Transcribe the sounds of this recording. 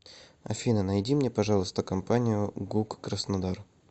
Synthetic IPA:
ɐ̰fʲinənɐjdʲimnʲepɐʐɑlˠəst̪əkɐmpanʲɪjʊɡukːɾəsnɐd̪ar

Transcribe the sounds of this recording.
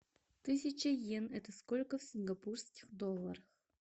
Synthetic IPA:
t̪ɨsʲɪt͡ɕəjenɛt̪əskolʲkəfsʲɪnɡɐpurskʲɪxd̪olˠːəɾəx

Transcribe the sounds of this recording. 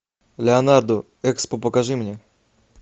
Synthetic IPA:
lʲɛɔnard̪ɔ | ɛkspɔpɔkaʐɨmɲʲɛ

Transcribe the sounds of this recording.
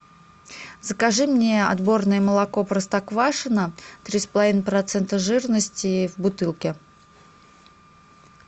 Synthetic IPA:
zəkaʐɨmnʲeɐ̰d̪bo̞rnəjəməlˠako̞pɾəst̪akvaʂɨnət̪ɾʲispəlˠɐvʲinəpɾɐt̪sɛnt̪əʐɨrnəsʲtʲɪvbʊt̪ɨlˠkʲɪ

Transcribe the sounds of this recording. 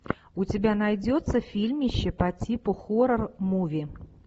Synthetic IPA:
ʊt͡sʲɪbʲanajd͡zʲot̪səfʲilʲmʲɪɕːɪpɐt͡sʲipʊxoɾərmuvʲɪ

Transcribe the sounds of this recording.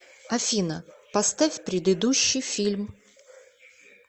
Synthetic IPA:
ɐfʲinəpɐst̪afʲpɾʲɪd̪ɨd̪uɕːɨjfʲilʲm

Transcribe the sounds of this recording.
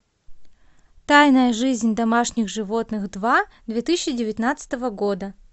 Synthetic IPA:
t̪ajnəjəʐɨzʲnʲd̪ɐmaʂnʲɪxʐɨvo̞t̪nɨxd̪vad̪vʲet̪ɨsʲɪɕːɪdʲɪvʲɪt̪ʲnat̪sɨ̥t̪əvəɡo̞d̪ə

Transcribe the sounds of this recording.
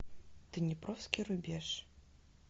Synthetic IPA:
t̪ɨnʲɛpɾɔfskʲiɾʊbʲɛʂ

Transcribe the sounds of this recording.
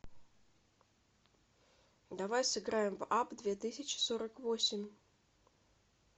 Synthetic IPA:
d̪ɐvajsɨɡɾajɪmvapd̪vʲet̪ɨsʲɪt͡ɕɪ̥soɾəkvosʲɪmʲ

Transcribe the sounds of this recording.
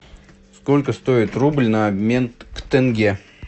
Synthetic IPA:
skolʲkəst̪o̞ɪt̪rublʲnəːbmʲenkt̪ɛnɡʲe

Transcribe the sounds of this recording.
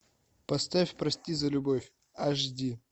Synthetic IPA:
pɐst̪afʲpɾɐsʲtʲizɐlʲʊbofʲ | aʐdʲi

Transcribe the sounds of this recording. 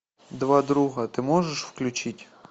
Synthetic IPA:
d̪ʋɑd̪ɾuɦɐt̪ɪmɔʒeʃfklʲʊt͡ʃitʲ

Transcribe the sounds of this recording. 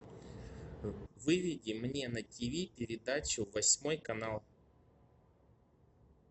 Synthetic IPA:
vɨvʲɪdʲimnʲe̞nɐtʲivʲipʲɪɾʲɪd̪at͡ɕʊvɐsʲmo̞jkɐnalˠ

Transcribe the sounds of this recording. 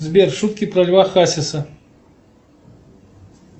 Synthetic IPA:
zʲbʲɛrʂut̪̚kʲipɾɐlʲvaxasʲɪsɐ

